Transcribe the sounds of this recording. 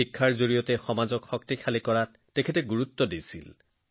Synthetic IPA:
ikʰːaɹzoɹijɔtɛxɔmazɔkxɔk̚tixʰalikɔɹat | tekʰɛtɛɡuɹut̪ːɔdisḭl

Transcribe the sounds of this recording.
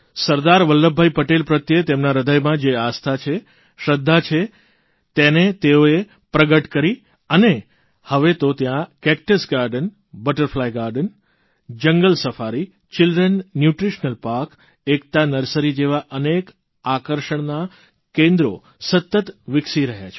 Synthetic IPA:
səɾd̪aɾʋəlːəbʱːajpəʈelpɾət̪jet̪emnaɾəd̪ʱəjmãd͡ʒeast̪ʰat͡ʃʰe | ʃɾəd̪ʱːat͡ʃʰe | t̪enet̪eoe | pɾəɡəʈkəɾi | əne | həʋet̪ot̪jãkɛk̚ʈəsɡaɾɖən | bəʈəɾflajɡaɾɖən | d͡ʒəŋɡəlsəfaɾi | t͡ʃɪldɾənːjuʈɾiʃnəlpaɾk | ek̚t̪anəɾsəɾid͡ʒeʋaʔənek | akəɾʃəɳ̃na | kẽnd̪ɾo̰ | sət̪ːət̪ʋɪksiɾəɦja̰t͡ʃʰ

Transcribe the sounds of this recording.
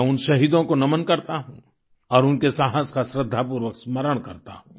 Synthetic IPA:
ʊnʃɐɦiːd̪õkonɐmənkɐɾt̪aɦũ | ɔːɾʊnkesãɦə̃skasɾɪd̪ʱːapuːɾwəksmɐɾəɽ̃kɐɾt̪a̰ɦũː

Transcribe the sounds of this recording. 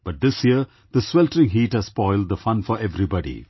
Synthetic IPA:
b̥ʌʈ̚d̪ɪsjiə | d̪əswɛlʈəɾɪ̃ŋɦiːʈhæz̥spɔɪlɖ̚d̪əfʌ̃nfɔɾeʋɾibɑɖḭ

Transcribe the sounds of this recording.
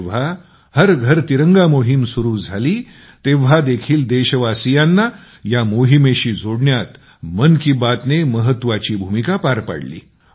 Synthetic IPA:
ʋ̤a | həɾɡʱəɾt̪iɾəŋɡamoɦimsuɾuːd͡zʱaliː | t̪eʋ̤ad̪ekʰiːld̪eɕəʋasijanːa | jamoɦimeɕiːd͡zʱoɽɳjat̪ | mənkibat̪neməɦət̪ːʋat͡ɕiːbʱumikapaɾpa̰ɽlḭː

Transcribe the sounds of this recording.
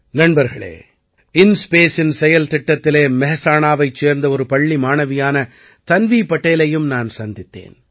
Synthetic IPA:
nɐnbɐɾɣɐɭḛː | ɪnspeːsɪnsɛjɐlt̪ɪʈːɐt̪ːɪleːmɛɦɐsaːnaːʋɐɪt͡ʃːeːɾnd̪ɐɔɾɯpɐɭːimaːnɐʋɪjaːnɐ | t̪ɐnʋiːpɐʈːeːlɐjɯmnaːnsɐnd̪ɪt̪ːḛːn

